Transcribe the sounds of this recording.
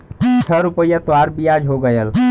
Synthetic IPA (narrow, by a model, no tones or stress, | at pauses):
t͡ʃʰəɾupəjət̪waɾbijad͡ʒɦoɡəjəl